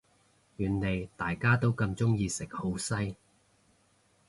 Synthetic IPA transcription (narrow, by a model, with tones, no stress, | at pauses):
jyː˨˩nle˨˩jt̪aː˨jkaː˥t̪o˥wkɐ˧mt͡sʊ˥ŋjiː˧sɪ˨˩k̚ho˨˥wsɐ˥j